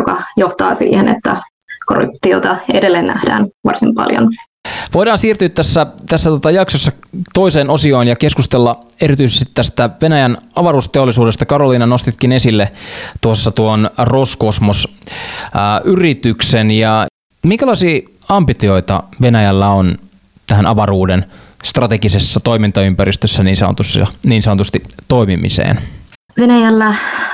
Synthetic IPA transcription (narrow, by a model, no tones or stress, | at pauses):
jokɑjoht̪ɑːsḭːhenḛt̪ːæ | ko̞rṵp̚t̪iot̪ɑedelːennæhd̥æ̰ːnʋɑ̰rsimpɑ̰ljo̰n | ʋo̞jdɑːnsiːrt̪yːt̪tæsːæt̪æsːæt̪uot̪ɑjɑksosːɑt̪o̞iseːnosio̞injɑke̞skust̪elːɑe̞ɾit̪yisest̪i̥t̪ːæst̪æʋenæjænɑʋɑruːst̪eolːˑisuːdest̪ɑkɑɾoliːnɑno̞st̪it̪kine̞silːet̪uosːɑt̪uoonroskosmos | ʔyrit̪yksenjɑ | miŋkælɑisiː | ɑmbit̪io̞it̪ɑ̰ʋe̞næjælːæon | t̪æhænʔɑʋɑruːdenst̪rɑt̪eɡisesːɑt̪o̞imint̪ɑympærist̪øsːæniːnsɑno̰t̪usːɑ̰niːnsɑnot̪ust̪it̪o̞imimḭsḛːn | ʋenæjælːæ